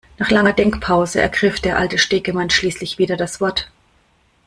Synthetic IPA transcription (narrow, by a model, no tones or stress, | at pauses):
naːχlaŋɐdɛŋkpʰaʊzəʔɛ̰ɐɡʁɪfd̥eːɐʔaltəʃteːɡəmanʃliːslɪçv̥iːdɐdasv̥ɔɐt